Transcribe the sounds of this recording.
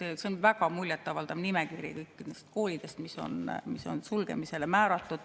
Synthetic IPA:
eseonvæɡ̥ɑmulʲjet̪ːˑɑvɑlt̪ɑmnimekirjḭkɤjkˑːinest̪̚ko̞ːlid̪̥e̞st̪miso̞̰nmiso̞̰nsulɡ̥e̞̰mise̞lemæːɾɑt̪ːˑud̪̥

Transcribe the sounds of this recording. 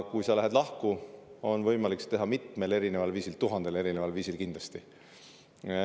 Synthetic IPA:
kujsɑlæɦed̪̥lɑhkuo̞nvɤ̞jmɑlikst̪e̞ɦɑmit̪me̞le̞ɾine̞vɑlviːsilt̪uɦɑnd̪̥e̞le̞ɾinevɑlviːsilkind̪lɑst̪i

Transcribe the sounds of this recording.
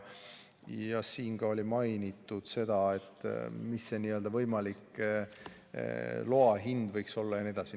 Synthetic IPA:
jjɑsiːŋɡ̥ɑo̞lʲimɑjnit̪ːˑud̪̥se̞d̪̥ɑe̞t̪ːˑmisːeniøld̪ɑvɤjmɑlik | lo̞ɑɦind̪̥vɤjkso̞lːɑjɑnied̪ɑsi

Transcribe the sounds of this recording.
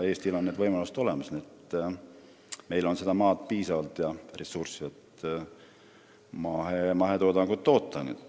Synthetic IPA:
e̞ːst̪ilo̞nːeːd̪vɤjmɑluset̪o̞le̞mɑsniet̪ː | me̞jlo̞nse̞d̪ɑmɑːt̪̚piːsɑvɑlt̪jɑresursivet̪ | mɑɦemɑɦe̞t̪od̪ɑŋɡ̥ut̪ːo̞ːt̪ˑːɑnṵd̪̥

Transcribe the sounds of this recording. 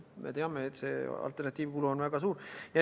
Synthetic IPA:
mḛt̪e̞ɑmeːt̪se̞̰ːɑ̰lt̪ːˑe̞rnɑt̪ʲːˑiːvkuluonvæɡ̥ɑsuːɾjɑ

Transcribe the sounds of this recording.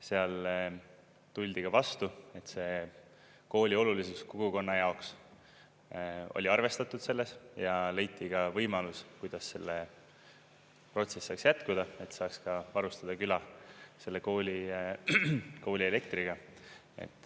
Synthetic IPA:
se̞ɑl | t̪ulʲd̪̥iɡ̥ɑvɑst̪ue̞t̪se̞ | ko̞ːlʲio̞lulisuskoɡ̥uko̞nːɑjɑo̞ks | o̞̰lʲiɑrve̞st̪ɑt̪ːud̪̥se̞lːe̞sjɑle̞jt̪ːˑiɡ̥ɑvɤjmɑluskujd̪̥ɑsːe̞lːe | pro̞t̪se̞sːɑːksjæt̪kud̪̥ɑe̞t̪sɑːkskɑvɑɾust̪ɑd̪̥ɑkylɑse̞lːe̞ko̞ːlʲi | ko̞ːlʲie̞le̞kt̪riɡ̥ɑ | e̞̰t̪ːˑ

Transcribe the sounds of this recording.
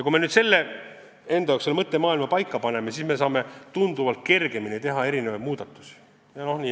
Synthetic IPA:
jɑkumenyːd̪se̞lːe | e̞nd̪̥ɑjokselmɤt̪ːe̞mɑːilmɑpɑjkːɑpɑne̞mesisme̞s̬ɑːme̞t̪und̪uvɑlt̪̚ke̞rɡ̥e̞minit̪e̞ɦɑe̞ɾine̞vɑjd̪̚muːd̪ɑt̪ːˑu̥si̥ | jɑnoniː

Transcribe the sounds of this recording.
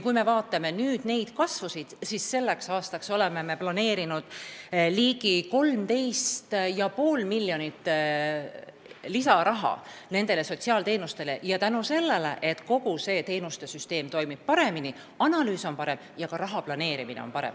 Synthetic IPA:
kujme̞vɑːt̪ːˑɑme̞nyːd̪̥ne̞jd̪̥kɑsvusid̪̥sisːe̞lːe̞ksɑːst̪ɑkso̞le̞me̞me̞plɑne̞ːɾinud̪̥liːɡiko̞lmt̪e̞jst̪jɑpo̞ːlmilːjo̞nit̪ːˑ | lisɑɾʔɑɦɑ̰ne̞nd̪̥e̞le̞so̞t̪ʲsiɑːlt̪e̞ːnust̪e̞le̞jɑt̪ænuse̞lːe̞le̞̰ʔe̞t̪ko̞ɡuse̞ːt̪e̞ːnust̪e̞syst̪e̞ːmt̪o̞jmib̥̚pɑɾe̞mini | ɑnɑlyːso̞npɑɾe̞mjɑkɑɾɑɦɑplɑne̞ːɾiminḛonpɑɾḛm

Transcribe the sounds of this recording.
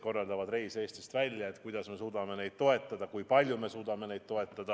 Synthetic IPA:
ko̞rːɑld̪ɑvɑd̪re̞jse̞ːst̪ist̪vælʲjɑe̞t̪ːˑkujd̪̥ɑsme̞suːd̪̥ɑme̞ne̞jd̪̥t̪o̞e̞t̪ːˑɑd̪̥ɑkujpɑlʲjume̞suːd̪̥ɑme̞ne̞jd̪̚t̪o̞e̞t̪ˑːɑd̪̥ɑ

